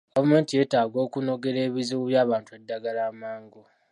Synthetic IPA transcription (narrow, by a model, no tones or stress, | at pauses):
ɡ̥avume̞ːntije̞ːtaːɡo̞ːkuno̞ɡe̞ɾe̞ːβiziwuβjaːβaːntuedːaɡalaːmaːŋɡo